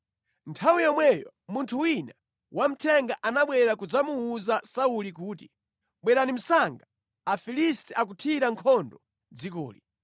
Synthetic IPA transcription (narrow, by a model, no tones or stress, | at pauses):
ntʰawijɔmwɛjɔ | muntʰuwina | wʔam̩tʰɛŋɡaʔanaɓwɛɾakud͡zamuːzasaulikuːti | ɓwɛɾanim̩saŋɡa | afilistɛak̬utʰiɾaŋkʰɔndɔ | d͡zikɔ̰ːli